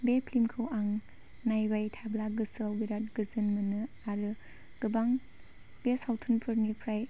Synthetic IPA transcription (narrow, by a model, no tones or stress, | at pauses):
bepʰlimkʰɯwaŋ | najbajtʰablaɡɯsɯwiɾat̚ɡɯzɯnmɯnɯ | aɾɯ | ɡ̥ɯbaŋ | b̥esawtʰunpʰɯɾnipʰɾaj